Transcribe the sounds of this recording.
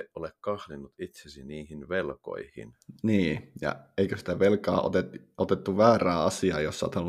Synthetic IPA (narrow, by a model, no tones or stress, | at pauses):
eʔʔolekkɑhlinːut̪it̪sesiniːhinʋelko̰ihḭnniːjɑ̰eikøsi̥t̪æʋelkɑ̰ːʔo̰t̪et̪ot̪et̪ːuʋæːræːɑsiɑ̰ːjosːɑ̰ˑt̪ɑlː